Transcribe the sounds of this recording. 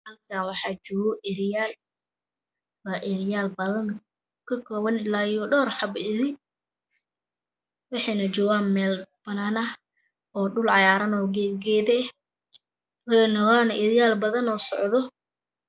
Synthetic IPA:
hɐlkʰaːwɑħɑːt͡ʃɔːɣɔʔɪɾɪjaːl | waːʔɪɾɪjaːlbɐðɐn | kʰɐkʰɔːwɐnɪlaːjɔːɖɔːrħɑbɪɾɪ | wɑħɑjnɐt͡ʃɔːɣaːnmɛːlb̥ɐnaːnɐ | ɔːɖʊlʕɑjaːɾɐnɔːɡɛːɡɛːðɛ | wɐnɔɣaːnʔɪɾɪjaːlbɐðɐnɔːsɔʕðɔ

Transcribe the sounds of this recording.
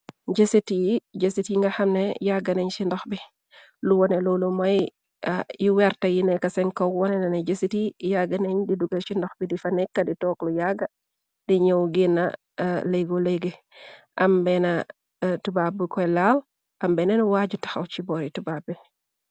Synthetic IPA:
ɟesitijid͡ʒesitjiŋɡɐxɐmnɛjaɡːɐnɛɲsindɔxbi | luwɔnɛlɔlumɐj | juwɛɾtɐjinɛkɐsɛŋkɐwwɔnɛnɐneɟesitijaɡɐnɛɲdiduɡɐʃindɔxbidifɐnɛkːɐditɔːklujaɡɐ | diɲɔwɡinːa̰ | lɛɡoleɡe | ʔɐmbɛnɐ | tubab̚ikɔjlaːl | ʔɐmbɛnɛnwaːɟutɐ̥xɐwt͡ʃibɔɾitubab̚i

